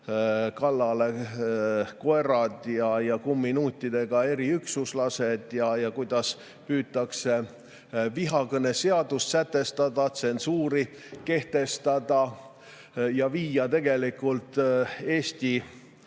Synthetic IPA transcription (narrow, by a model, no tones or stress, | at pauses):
kɑlːɑle̞ | koerɑd̪̥jɑjɑkumːinuːt̪ʲˑːid̪̥e̞ɡ̥ɑe̞ɾiyksuslɑse̞d̪̥jɑjɑkujd̪̥ɑs | pyːt̪ːˑɑkse̞ | viɦɑkɤne̞se̞ɑd̪ust̪sæt̪ːˑe̞st̪ɑd̪ɑt̪se̞nsuːɾi | ke̞ht̪e̞st̪ɑd̪ɑ | jɑviːjɑt̪e̞ɡ̥e̞likult̪e̞ːst̪i